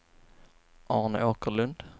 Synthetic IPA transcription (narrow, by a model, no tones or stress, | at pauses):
ʔɑːɳə̰ʔoːkəɭɵnd̪̥